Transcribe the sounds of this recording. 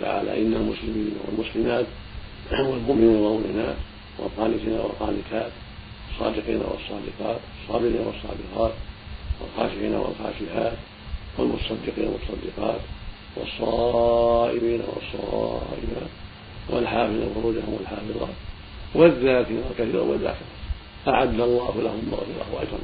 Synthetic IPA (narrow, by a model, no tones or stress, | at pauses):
t̪a̰ʕa̰ːla̰ʔɪnːalmʊslɪmiːnawa̰lmʊslɪmaːt̪ | walmʊʔmɪniːnwanɪnaːt̪ | wɪ̰lɣɑːnɪt̪iːnawɪlqɑːnɪt̪aːt̪ | wɑsˤːɑ̰ːd̪ɪqḭːna̰wɑ̰sˤːɑːd̪ɪqɑːt̪wɑsˤːɑːbɪliːnawɑsˤːɑ̰ːd̪ɪqɑːt̪walxaːʃɪħiːna̰wa̰lxa̰ːʃɪhaːt̪ | walmʊt̪ɑ̥sˤɑd̪ːɪqiːnawɑt̪ɑˤsˤɑd̪ːɪqɑːt̪ | wɑ̰sˤːɑ | ʔɪmiːna̰wɑ̰sˤːɑʔɪmaːt̪ | wʔɪlħaːfɨððˤalxʊɾuːd͡ʒahʊmwalħaːfɨðˤɑ̰ːt̪ | wɪðːaːkɪnalkaθiːɾa̰waðːa̰ːkɪɾa | ʔaʕad̪ːɑlˤːɑːhlahʊmːaɣfɪɾɑ̰hʔat̪hʊ̰m